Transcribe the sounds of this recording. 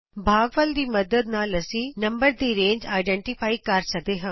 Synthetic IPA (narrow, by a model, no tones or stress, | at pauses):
bʱaːɡʋəld̪iːmɐd̪əd̪naːlɐsĩːnɐmbəɾd̪iːɾẽːɲd͡ʒaːɪɖeɳʈifʰaːikɐɾsɐd̪eːɦɐ̃ː